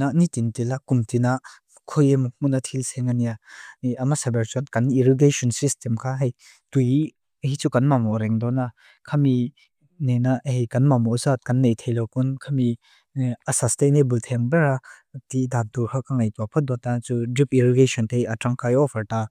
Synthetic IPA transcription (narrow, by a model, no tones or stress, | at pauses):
nanitintilakumtina | kʰɔjemuk̚munat̪ʰilsɛŋanianiamasabɛɾt͡ʃɔnkaniɾiɡesɔnsistemkʰaɦej | tuj | hit͡sukanmamɔɾɛŋdɔna | kʰami | nenahejkanmamɔzat̚kanːejtʰejlɔkunkʰami | asastenebult̪ʰɛŋbɛɾatidak̚duhʰɔkaŋajtwapʰɔt̚dɔtat͡sudipiɾɔɡesʰɔntʰejatɾaŋkajɔfʰaɾta